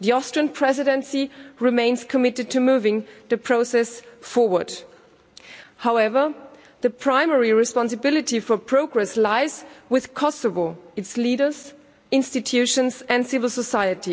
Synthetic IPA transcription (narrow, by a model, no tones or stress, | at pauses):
ðiɔstə˞npʰɹ̥ɛzɪɾɛ̃nsiɹɪmẽɪ̃nz̥kʰəmɪtɨd̚tʰɨmuːvɪ̃ŋðɨpʰɹ̥oʊsɛsfɔɹwə˞d̥ | haʊɛvə˞ | ðɨpʰɹ̥ãɪ̃mɛɹiɹɪspɑ̃nsɨbɪlɨtifə˞pʰɹ̥oʊɡɹɛslaɪzwɪð̥kʰɔsəvəɨtsliɾə˞z | ɪ̃nstɨtʰjʉʃə̃nzɨ̃ndsɪvl̩ˠsəsaɪɨti